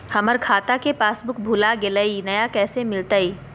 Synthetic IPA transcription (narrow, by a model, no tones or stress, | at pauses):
hɐməɾkʰaːt̪akepaːsbʊkbʱuːlaɡeləinɐjakɛːsemɪlt̪aiː